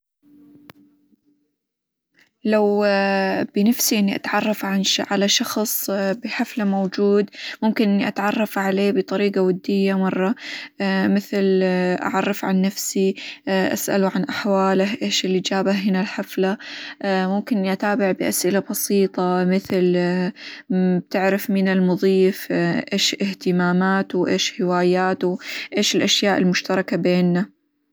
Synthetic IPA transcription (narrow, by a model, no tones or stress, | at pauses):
law | b̥ɪnafsiʔɪnːiʔa̰t̪ʕɑrˤːɑfʕanʕalaʃɑxsˤbɪħaflamowd͡ʒuːd̪mʊmkɪnʔnːiʔa̰t̪ʕɑrˤːɑfʕaleːbɨt̪ˤɑɾiːɡawad̪ːɪjːamɑrˤːɑ | mɪθlʔa̰ʕɑrˤːɑfʕanːafsiʔa̰sʔa̰luʕanʔaħwaːlɪhʔeːʃɪlɪd͡ʒaːbahɦɪnalħafla | mʊmkɪnʔat̪aːbɪʕbɪʔasʔɪlabɑsiːt̪ˤɑmɪθl | b̚t̪ɪʕɾɪfmɪnɪlmʊðˤiːfʔeːʃʔɪht̪ɪmaːmaːt̪ʔeːʃhɪwaːjaːt̪uʔeːʃɪlʔaʃjaːʔɪlmʊʃt̪ɑɾˤɑkabeːnːa